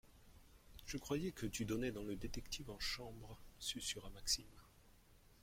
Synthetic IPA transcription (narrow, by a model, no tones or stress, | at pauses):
ʒ̥əkχwajɛkət̪yd̪ɔnɛd̪ɑ̃ləd̪et̪ɛkt̪ʰifɑ̃ʃɑ̃bʁsysyʁamaksim